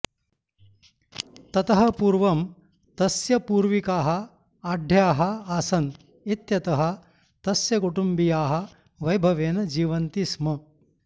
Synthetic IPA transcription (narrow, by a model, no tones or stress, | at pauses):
t̪ɐt̪ɐɦɐpuːɾʋɐm | t̪ɐsjɐpuːɾʋikaːɦɐ̆ | aːɖʱjaːɦɐaːsɐn | it̪jɐt̪ɐɦɐ̆ | t̪ɐsjɐkuʈumbijaːɦɐ̆ | ʋɐjbʱɐʋeːnɐd͡ʒiːʋɐnt̪ismɐ